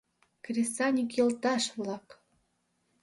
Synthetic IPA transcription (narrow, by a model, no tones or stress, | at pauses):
krʲesɑnʲikjɤ̆lt̪ɑʃβlˠɑk